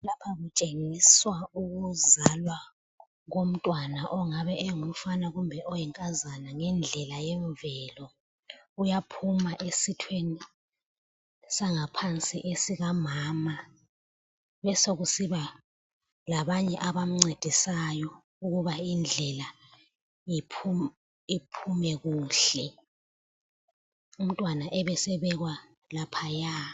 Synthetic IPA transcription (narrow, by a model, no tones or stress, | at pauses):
lapʰaɣut͡ʃʼeŋiswauɣuzalwa | ɣom̩tʼwanaʔɔŋaβɛʔɛŋufanaɣumbʱɛʔɔjɛŋkʼazanaŋɛnd͡ɮʱɛlajɛɱvɛlɔ | ujapʰumaʔesitʰweni | saŋapʰant͡sʼiʔesiɣamaːma | βɛsoɣusiβa | laβaɲɛʔaβam̩ŋ͡ǀed̥ʱisajɔ | uɣuβaind͡ɮʱɛla | ipʰu | ipʰumɛɣuːɬɛ | um̩tʼwanaʔɛβɛsɛβɛɣwa | lapʰajaː